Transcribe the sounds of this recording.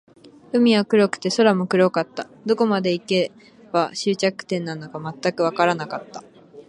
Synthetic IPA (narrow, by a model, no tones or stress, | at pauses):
ɯ̟mʲiakɯ̟ɾo̞kɯ̟̥t̪e̞so̞ɾamokɯ̟ɾokat̪ːa | d̪o̞ko̞mad̪e̞ike̞ | b̥aɕɨːt͡ɕakɯ̟̥t̪ẽ̞nːanːokamat̪ːakɯ̟βakaɾanakat̪ːḁ